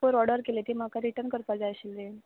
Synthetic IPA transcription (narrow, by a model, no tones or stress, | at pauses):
oɾɔɽəɾkelet̪em̤akaɾiʈəɾnkəɾpad͡zaɕild̪e